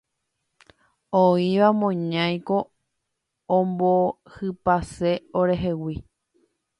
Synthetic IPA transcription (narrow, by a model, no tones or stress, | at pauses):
oiʋamõɲãj̃ko̞ | õmbo | hɨpase̞oɾe̞ɦe̞wi